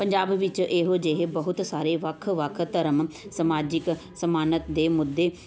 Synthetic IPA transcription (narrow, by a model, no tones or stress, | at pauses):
pəɲd͡ʒaːbʋɪt͡ʃʔeːɦod͡ʒeɦebəɦʊt̪saːɾeʋəkʰʋəkʰt̪əɾəmsəmaːd͡ʒɪk | səmaːnət̪d̪eːmʊd̪ːeː